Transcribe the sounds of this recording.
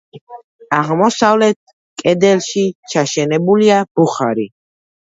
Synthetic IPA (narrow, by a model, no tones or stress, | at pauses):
aʁmɔsavlɛt̪̚ʰ | kʼɛd̪ɛlʃit͡ʃʰaʃɛnɛbuliab̥uχa̰ɾi